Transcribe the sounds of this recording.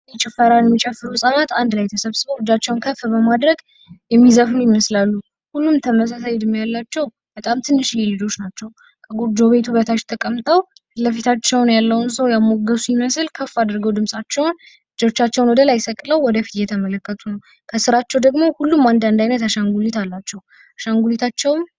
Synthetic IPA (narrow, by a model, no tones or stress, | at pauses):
ɛt͡ʃʼɛfəɾanjɛmːit͡ʃʼɛfːɨɾusʼanat̪and̪lajt̪ʰəsəβsɨβəwhɨd͡ʒat͡ʃːɛwnkʰəfːbəmad̪ɾəɡ | jɛmːizəfɨnjiməslalːu | hulːumt̪ʰəməs̬asajd̪ɨmjalːat͡ʃːɛw | b̥ət̪ʼamt̪ʰɨnːɨʃjɛlɨd͡ʒo̞t͡ʃnat͡ʃːɛw | kʰəɡud͡ʒoβe̞t̪ʰuβət̪ʰaʃt̪ʰəkʼəmt̪ʼəw | ləfit̪ʰat͡ʃːɛwnjalːəwunsəwjamo̞ɡəsujiməsɨlkʰəfːad̪ɾɡəwd̪ɨmsʼat͡ʃːɛwn | ɨd͡ʒo̞t͡ʃːat͡ʃːɛwnwɔd̪əlajsəkʼləwwɔd̪əfi̥t̪jɛt̪ʰəmələkːət̪ʰunəw | kʰəsɨɾat͡ʃːɛwd̪əɡmo̞hulːumːand̪and̪ajnət̪aʃaŋɡulit̪alːat͡ʃːɛw | aʃaŋɡulit̪ʰat͡ʃːɛwm